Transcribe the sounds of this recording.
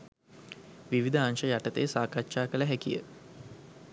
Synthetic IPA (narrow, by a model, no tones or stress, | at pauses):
ʋiʋid̪əanʃəjaʈət̪ejsaːkatːʃaːkələɦækijə̰